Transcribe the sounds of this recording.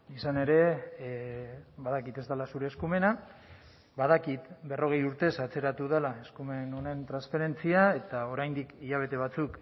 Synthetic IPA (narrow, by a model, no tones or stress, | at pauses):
isane̞ɾe̞ | βaðakit̪e̞zt̪alasuɾe̞ːskume̞na | baðakit̪be̞ro̞ɣ̞e̞juɾt̪e̞sat͡se̞ɾat̪uð̞elae̞skume̞no̞ne̞nt̪ɾansfeɾe̞nt͡siae̞t̪ao̞ɾajnd̪ikiʎaβ̞e̞t̪e̞β̞at͡suk